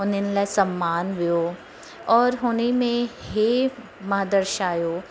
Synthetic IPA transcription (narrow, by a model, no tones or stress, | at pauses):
onɪnlɛsɐmːaːnʋɪjoː | ɔːɾɦoːnimẽɦe | mɐɦd̪əɾʃaːjoː